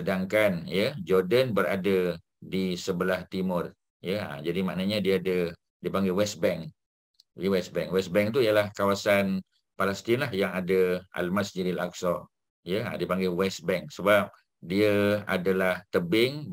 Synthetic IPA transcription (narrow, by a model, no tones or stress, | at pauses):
ədaŋkanjəd͡ʒɔrdənbəɾa̰də | disəbəlaht̪imʊr | jəa̰d͡ʒadimaʔnəɲadiəadə | dipaŋɡɛwɛsbɛŋ | jəwɛsbɛŋwɛsbɛŋt̪̬ujalahkawasan | palɛst̪inlahjaŋadəʔa̰lmasd͡ʒidila̰ksɔ | jəa̰dipaŋɡawɛst̪̚bɛŋksəbap̚ | diəa̰dalaht̪əbɪŋ